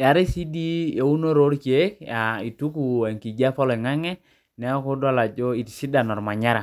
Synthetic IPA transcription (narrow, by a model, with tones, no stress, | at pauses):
ja˨ɾi˦si˦di˦jo˨u˦no˦ɾo˦ɾke˦k̚a˨i˨tu˦ku˨a˨ŋki˨d͡ʒa˦fɔ˦lɔ˨ŋa˦ŋɛ˦ | nɛ˨˦ɔ˦ko˦dwa˦la˨d͡ʒo˦i˨tsi˦da˨nɔ˨ɾma˨ɲa˦ɾa˨